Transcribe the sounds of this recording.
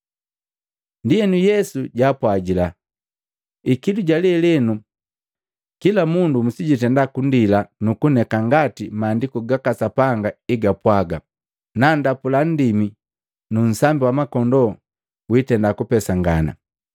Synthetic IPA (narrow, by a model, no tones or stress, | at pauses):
ndijɛnujɛsuɟaːpwaɟila | ikiduɟalɛlɛnu | kilamundumusiɟitɛndakundilanukunɛkaŋɡatimaːndikuɡakasapaŋɡaiɡapwaɡa | nandapulan̩dimi | nun̩sambiwamakɔndɔ | witɛndakupɛsaŋɡana̰